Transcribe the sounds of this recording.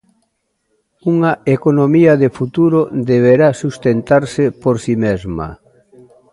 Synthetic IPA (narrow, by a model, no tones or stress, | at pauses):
uŋɐekonomiɐðefut̪uɾod̪eβ̞eɾasust̪ent̪aɾsɪpoɾsimezmɐ̰